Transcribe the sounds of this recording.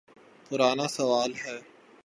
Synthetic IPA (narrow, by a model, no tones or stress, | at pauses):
pʊɾaːnasɐʋaːlɦɛː